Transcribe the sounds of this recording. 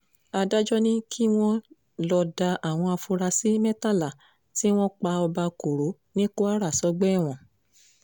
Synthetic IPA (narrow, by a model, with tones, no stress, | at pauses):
a˧da˦d͡ʒɔ˦nĩ˦kʰi˦w̃ɔ̃˦ | lɔ˧da˧a˨w̃ɔ̃˧a˧fu˧ɾa˧si˨˦mɛ̃˦ta˦˨la˨ | ti˦w̃ɔ̃˦k͡pa˧ɔ˧ba˧ko˨ɾo˨˦ | nĩ˦ko˦a˦ɾa˦˨sɔ˦ɡ͡bɛ˦˨w̃ɔ̃˨